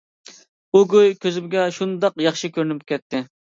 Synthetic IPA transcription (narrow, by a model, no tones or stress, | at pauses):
uɡojkʲʰøzɪbɪɡʲɛʃund̪ɑqjɑχʃikʲøɾnɪp̚kʲʰɛt̪ʰːɪ